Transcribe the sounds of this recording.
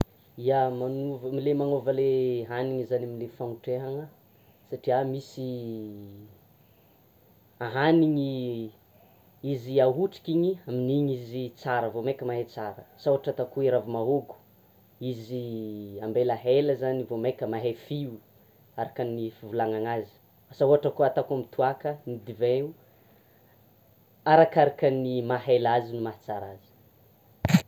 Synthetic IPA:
iamanuvəmilemanovəleɦaniɲizanamilefauʈ͡ʂeɦaŋə | saʈ͡ʂiamisi | aɦaniŋi | iziaɦuʈ͡ʂi̥kiɲiaminiɲizit͡saɾəvomekʲəmaɦet͡saɾəsawaʈ͡ʂət̪akueɾavimaɦoɡu̥ | iziambelaɦeləzanivomekʲəmaɦefiu | aɾakanifivulaŋaŋazi̥ | asauɦaʈ͡ʂəkuat̪akuamit̪ʰuakənid̪iveu | aɾakaɾakənimaɦelazinumaɦt͡saɾazi̥

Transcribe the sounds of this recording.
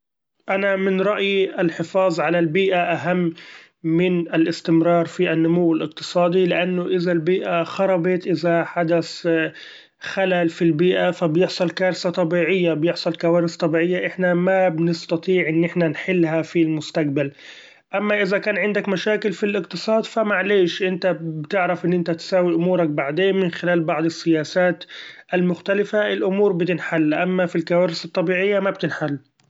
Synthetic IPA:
ʔanamɪnɾˤɑʔjiʔalħɪfɑːðˤʕalalbiːʔaʔaɦamː | ɪnalʔɪst̪ɪmɾɑːɾˤfiʔanːʊmuwːɪlʔɪq̚t̪ɨ̥sˤɑːd̪ilɪʔanːʊʔɪzalbiːʔaxɑɾˤɑbɑt̪ʔɪzaħad̪as | xalalfilbiːʔafabjɪħsˤɑlkaːɾsat̪ˤɑbiːʕɪjːabjɪħsˤɑlkawaːɾɪst̪ˤɑbiːʕɪjːaʔɪħnamabnɪst̪ɑt̪ˤiːʕʔɪnːɪħnanħɪlːhafilmʊst̪aq̚bal | ʔamːaʔɪzakaːnʕɪnd̪akmaʃaːkɪlfilʔɪqt̪ɨsˤɑːd̪famaʕleːʃʔɪnt̪abt̪ɪʕɾafʔɪnːʔɪnt̪at̪saːwiʔʊmuːɾˤɑk̚baʕd̪eːnmɪnxɪlaːlbɑʕd̪ˤɨsːɪjaːsaːt̪ʔalmʊxt̪alɪfaʔɪlʔʊmuːɾbɪt̪ɪnħalːʔamːafilkawaːɾɪsɨt̪ˤːɑbiːʕɪjːamabt̪ɪnħalː

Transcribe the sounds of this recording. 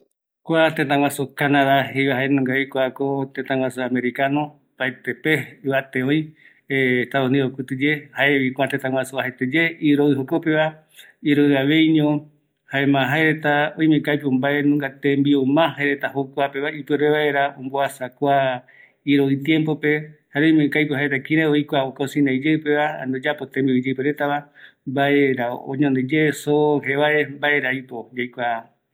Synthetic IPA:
kʷat̪ẽt̪ãw̃ʷasokanaðahejβaɦaenũŋɡaikʷakot̪ẽt̪ãwasoame̞ɾikanõ | paet̪epeɨβat̪eoj | t̪aβonĩokɨt̪ɨd͡ʒehaeβikʷat̪ẽt̪ãŋʷwasoahet̪ed͡ʒeiɾoɨɦokopeβa | iɾoɨaʋe̞jɲõ | haemãɦaeɾet̪aõj̃mẽkajpeõmbaenũŋɡat̪ẽmbiomãɦaeɾet̪ahokʷape̞βaipɨɾeβaeɾaõmboasakʷa | iɾoit̪je̞mpo̞pe̞haɾeojmẽkajpohaet̪akĩɾẽojkʷaokosĩnãjd͡ʒeɨpe̞βaa̰nd̪od͡ʒapot̪ẽmbiod͡ʒepeɾet̪aβambaeɾao̰ɲõnd̪ed͡ʒesoɦeβaʔembaʔeɾaipod͡ʒejkʷa

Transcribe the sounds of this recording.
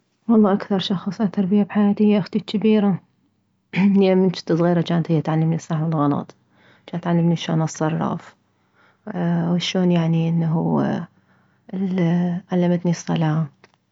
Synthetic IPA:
wɑlˤːɑːʔakθɑɾˤʃɑxsˤʔat̪ːɑɾˤbɪjabħajaːt̪ɪhjːaʔaxt̪it͡ʃabiːɾa | nːamɪnt͡ʃɪ̥t̪ːɨsˤɣiːɾat͡ʃaːnt̪hɪjːat̪ʕalːɪmnisˤaːħmɪlɣɑnɑ̰t̪ˤ | t͡ʃaːnt̪ʕalːɪmniʃoːnɑsˤːɑrˤːɑ̰f | wʃoːnjaʕniʔɪnːaɦu | lʕalːamat̪nisˤːɑ̰laːm

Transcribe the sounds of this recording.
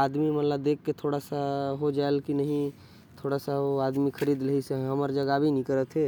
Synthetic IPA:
ad̪mimət̪ləb̚d̪ekːet̪ʰoɽasaɦod͡ʒaelkinəɦĩ | t̪ʰoɽasaɦoad̪mikʰəɾid̪ləɦisẽɦəməɾd͡ʒəɡabʱinĩkəɾət̪ʰɦe

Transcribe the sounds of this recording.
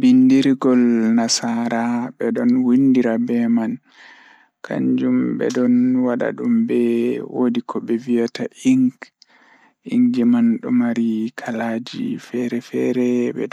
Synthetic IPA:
bindiɾiɡɔlnasaɾabɛɗɔnwindiɾabɛman | kʰa̰ɲd͡ʒumbɛ̰ɗɔnwaɗa̰ɗumbɛwodikʰɔbɛvijataʔiŋɡ | iŋɡɛmanɗɔmaɾikʰalad͡ʒḭfɛɾɛfɛɾɛbɛ̰

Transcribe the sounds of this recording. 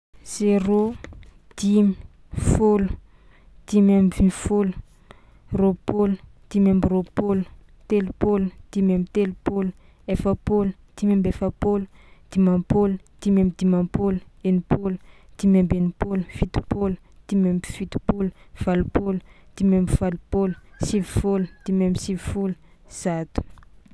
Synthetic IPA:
z̥eɾo | d̪̥imi̥ | folu̥ | d̪̥imamvinfolu̥ | ropolu | d̪̥imambiropolu̥ | t̪elupolud̪̥imambit̪elupolu | efəpolu | d̪̥imambefapolud̪̥imãpolud̪̥imembid̪imãpoluenipolu̥d̪̥imembenipolufit̪u̥polu | d̪̥imembfit̪u̥pulu̥v̥alupolu̥d̪̥imembiv̥alupolu̥sivifulud̪̥imembisivifulu̥ | z̥at̪u̥

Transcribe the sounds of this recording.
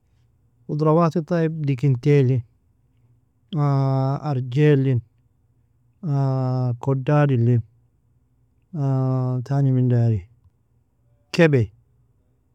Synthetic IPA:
ud̪ɾɑwaːt̪it̪ˤɑjib̚dikint̪elin | aaɾd͡ʒelːin | akodːaːdilːin | at̪animindaːɾi | kebej

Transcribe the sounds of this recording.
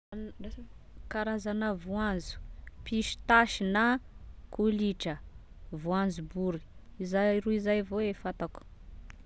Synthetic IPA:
kaɾazanəvuanzu̥piʃi̥t̪aʃinakʰuliʈ͡ʂə | vuand͡zubuɾi̥izajɾuizajvoefat̪aku̥

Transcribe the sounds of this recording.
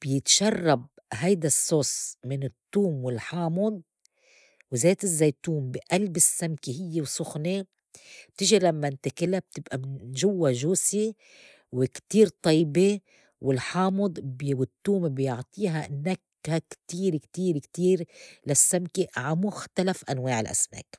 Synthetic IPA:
b̥jɪt̪ʃɑrˤːɑb̚ɦajd̪asˤːoːsˤmɪnɪt̪ːuːmwɪlħɑːmʊd̪̚ˤ | wzeːt̪ɪzːajt̪uːmbɪʔalbɪsːamkiɦɪjːewsˤʊxne | bt̪ɪʒilamːant̪akɪlab̚t̪ɪbʔamɪnʒʊwːaʒuːsi | wɪkt̪iːɾt̪ˤɑjbe | wɪlħɑːmɨd̪ˤbwɪt̪ːuːmbjʊʕt̪ˤiːɦaʔɪnːak | hakt̪iːɾkt̪iːɾkt̪iːɾlasːamkiʕamʊxt̪alafʔanwaːʕɪlʔa̰sma̰ːk

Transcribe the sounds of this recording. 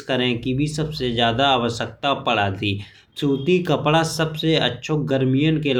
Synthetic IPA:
kəɾẽkibʱisɐbsezjaːd̪aaʋəʃjək̚t̪apɐɽ̤aːd̪iː | t͡ʃuːt̪ikɐpɽasɐbseɐ̰tːʃʰoɡəɾmijənkel

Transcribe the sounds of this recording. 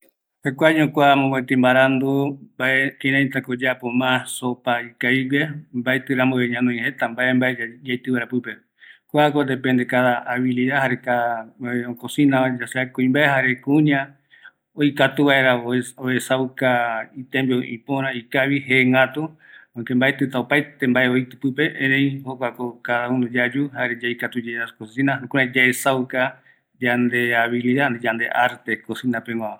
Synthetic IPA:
hekʷaɲõkʷamõbet̪ẽmbaɾand̪ubaʔekẽɾãjt̪akod͡ʒapomãsopaikajβembaet̪ɨɾamoeɲãnõĩhet̪ambaʔembaed͡ʒajt̪ɨβaeɾapɨpe | kʷakond̪epẽnd̪ekaðaʔaβiliðahaɾeka | okosĩnãad͡ʒaseakũĩmbaeɦaɾe̞kũɲã | ojkat̪uβaeɾaoesawkait̪ẽmbioʔḭ̃põɾãikaβiɦeŋɡat̪u | õkembaet̪ɨt̪aopajt̪embaʔeoit̪ɨpɨpe̞ʔẽɾẽĩhokʷakokaðaũnod͡ʒad͡ʒuhaɾed͡ʒaikat̪ud͡ʒeɾaskosĩnãokũɲãd͡ʒaesawka | d͡ʒand̪eaβiliðand͡ʒand̪ḛʔaɾt̪ekosĩnãpeŋwʷãã

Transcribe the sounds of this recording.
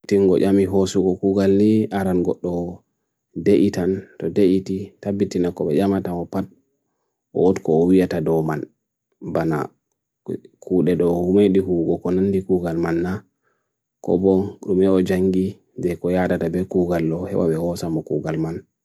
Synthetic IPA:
tiŋɡɔʔamiɦosuɡɔkuɡalniaɾanɡɔɗːɔ | deʔitantɔdeʔititabːitinakɔbɛʔamatamɔpat̚ | ʔɔ̰wɔtkɔːwijatadɔman | bana̰ | kuɗɛɗɔhumeɗihuɡɔkɔnandikuɡalmanːa | kɔ̰bɔnɗumɛɔd͡ʒaŋɡi | dɛkɔjadatabɛkuɡalːɔhɛ̰wa̰bɛhɔsamɔkuɡalman

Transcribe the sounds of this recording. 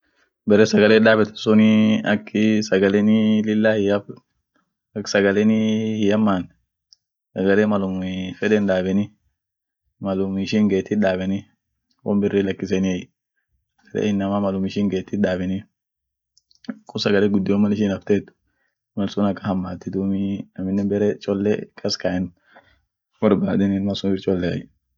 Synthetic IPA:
bɛɾɛsɐɡɐleːᶑaːbɛt̪ɐ̥sʊnɪɐkːɪsɐɡɐlɛnɪlɪlːaːhɪjɐ | ksɐɡɐlenɪhɪjɐmːaːn | sɐɡɐleːmɐlʊmfɛᶑɛnᶑaːbɛnɪ | mɐlʊmɪʃiːŋɡeːt̪ːɪᶑaːbɛnɪ | wɔ̰mbɪrːɪlɐkːɪsɛnɪɐj̥ | ɐlɛ̰ɪnːɐmaːmɐlʊmɪʃɪːŋɡeːt̪ːɪᶑaːbɛnɪ | kʼʊsɐɡɐlɛɡʊd̪ːɪɔmːɐnɪʃɪnɐft̪eːt̪ːʊ̥ | mɐlsʊnɐkːɐhɐmːaːt̪ːɪd̪uːmɪɐmɪnːɛbɛɾɛt͡ʃʼɔlːɛkʼɐskaʔɪn | wɐɾbaːd̪ɛnɪnmɐsʊnbɪɾt͡ʃʼɔlːɛɐ̰j

